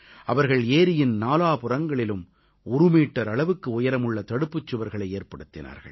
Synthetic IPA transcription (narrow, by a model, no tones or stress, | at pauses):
ʔɐʋɐɾɣɐɭeːɾɪjɪnnaːlaːpʊrɐŋɡɐɭɪlɯm | ʊɾɯmiːʈːɐɾɐɭɐʋɯkːɯʊjɐɾɐmɯɭːɐt̪ɐɽɯpːɯt͡ʃːɯʋɐɾɣɐɭɐɪeːɾpɐɽɯt̪ːɪna̰ːɾɣɐ̰ɭ